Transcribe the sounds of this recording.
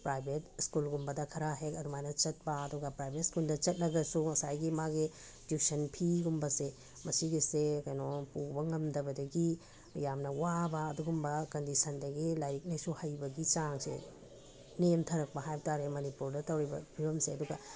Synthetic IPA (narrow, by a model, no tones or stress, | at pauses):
pɾajbʱetskulɡumbɐdɐkʰɐɾaɦekɐdumajnɐt͡ʃɐt̚pɐɐduɡɐpɾajbʱet̚skuldɐt͡ʃɐt̚lɐɡɐsuɐsajɡimaɡi | duk̚sɐnpʰiɡumbɐse | mɐsiɡisekɐjnopubɐŋɐmdɐbɐdɐɡi | jamnɐwabɐːduɡumbɐkɐndisɐndɐɡilajɾik̚nɐjsuhɐjbɐɡit͡ʃaŋsḛ | nemtʰɐɾɐk̚pɐɦajtaɾemɐnipuɾdɐtɐwɾibɐ̰bʱiɾɐmseɐduɡɐ